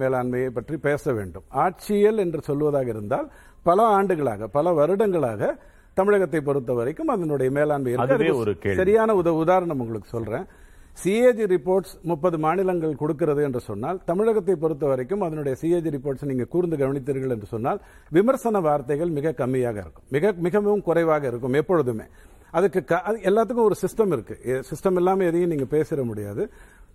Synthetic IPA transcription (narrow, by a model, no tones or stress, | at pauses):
meːlaːnmɐjɐɪpːɐʈripeːsɐʋḛːɳɖɯmaːʈ̚t͡ʃɪɛlɛndrɯsɔlːɯʋɐðaːɣɐɪɾɯnd̪aːl | pɐlɐaːɳɖɯɣɐɭa̰ːɣɐpɐlɐʋɐɾɯɽɐŋɡɐɭa̰ːɣɐ | t̪ɐmɪɻɐɣɐt̪ːɐɪp̬ɔɾɯt̪̬ːɐʋɐɾɐɪkːɯmɐðɐnɯɽɐjɐmeːlaːnmɐjɪɾɐðkːaɐðɯkːɔɾɯkeːɭɐɾɪjaːnɐʊðɐʋʊðaːɾɐɳɐmʊŋɡɐɭɯkːɯ̥sɔlrẽː | sied͡ʒiɾɪpːoːɾʈsmʊpːɐðɯmaːnɪlɐŋɡɐɭkɔɽɯk̬ːɪɾɐðɯɛndrɯsɔnːaːlt̪ɐmɪɻɐɣɐt̪̬ːɐɪpːɔɾɯt̪̬ːɐʋɐɾɐɪkːɯmɐðɐnɯɽɐjɐsiːeːd͡ʒɾɪpːoːɾʈsniːŋɡɐkuːɾɪnd̪ɯɡɐʋɐnɪt̪ːɪɾɣɐɭɛndrɯsɔnːaːl | ʋɪmɐɾsɐnɐʋaːɾt̪ɐɪɣɐɭmɪɣɐkːɐmːɪjaːɣɐɪ̰ɾɯkːɯ̥mːɪɣɐmɪɣɐmɪɣɐmkʊrɐɪʋaːɣɐɪɾɯkːɯmɛpːɔɻɯðɯmḛː | ɐðɐkːɯkɐʔɐðɛlːaːt̪̬ːɯkːɯmɔɾɯsɪsʈɐmɪɾɯkːɯsɪsʈɐmɛlːaːmeɛðɐjɯmniːŋɡɐpeːsɪɾɐmʊɽɪja̰ːðɯ